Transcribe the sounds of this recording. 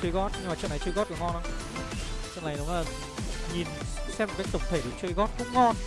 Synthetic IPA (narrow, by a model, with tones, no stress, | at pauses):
t͡ɕə˧˨˧ɣɔ˦˥t̚ɲɨ˧ŋmaː˨˩t͡ɕə̰˧˨nːa˨˩jt͡ɕɨ˧ɣɔ˦˥t̚kɨ˧˩əŋɔ˧nʔɔ˨˦ | t͡ɕə̰˧˨nːa˨˦jɗʊ˨˦ŋ͡mlaː˨˩ | ɲi˨˩n˧˥sɛ˧˥pm˨˩kːaː˦˥k̚tə˨˩wŋ͡mt̪ʰe˧˩ɗɨ˨˩˦t͡ɕə˧jɣɔ˦˥t̚kʊ̰˧˥ŋ͡mŋɔ˧n